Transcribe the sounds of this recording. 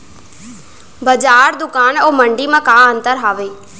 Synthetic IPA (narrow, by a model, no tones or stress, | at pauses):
bəd͡ʒaːɾd̪ʊkaːnoːməɳɖiːmãːkaːənt̪əɾɦaːʋeː